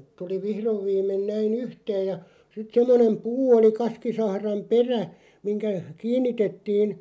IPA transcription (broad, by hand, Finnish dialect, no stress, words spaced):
tuli ʋihroʋ ʋiːmˑen næin yhteːj jɑ sit semːonem puː oli kɑskisɑhrɑm̆ peræ miŋkæ kiːnːitetːiːn